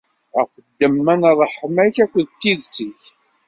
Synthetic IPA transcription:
æχəd̪ːəmːænɾˤəħəmæçækʷːəðt̪ːiðt͡siç

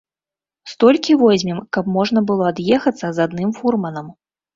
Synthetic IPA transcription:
st̪ɔlʲkʲivɔzʲmʲimkɐpmɔʐn̪ɐbɨlˠɔad̪jɛxɐt̪sːɐzad̪nɨmfurmɐnɐm

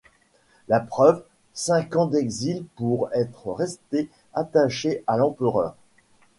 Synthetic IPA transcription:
lapχœv | sɛ̃kɑ̃d̪ɛɡzilpuʁɛt̪χəʁɛst̪e | at̪aʃeʔalɑ̃pəʁœːʁ

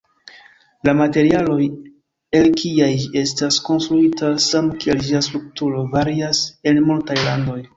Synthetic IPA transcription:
lamate̞ɾialo̞j | e̞lkʰiaje̞stasko̞nstɾuitʰasamkield͡ʒiastɾuk̚tuɾo̞vaɾiase̞nmultajlando̞j

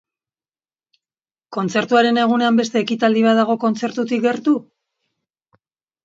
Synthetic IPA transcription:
ko̞nt͡se̞ɾt̪uaɾe̞ne̞ɣ̞une̞ambe̞st̪e̞ːkit̪ald̪iβ̞aðaɣ̞o̞ko̞nt͡se̞ɾt̪ut̪ik̚ɡe̞ɾt̪u

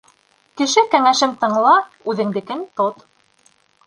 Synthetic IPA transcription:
kɘ̆ʃɘkæŋæʃɘmt̪ɤ̆ɴlˠɑ | ʉðɘ̆ŋd̪ɘ̆kɘnt̪ot̪

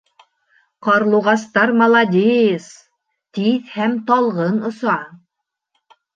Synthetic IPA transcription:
qɑɾlˠuʁɑst̪ɑɾmɐlˠad̪ʲejs | t̪iθhæmt̪ɑlˠʁɤnŏsɑ

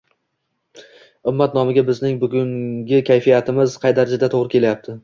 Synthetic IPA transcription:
ʊmːat̪nɒmɪɡʲabɪznɪŋbʊɡʲʊŋɡʲɪkʲʰajfijat̪ʰɪmɪzqʰɑjd̪aɾad͡ʒad̪at̪ʰoʁɾɪkʲʰe̞lajap̚t̪ʰɪ

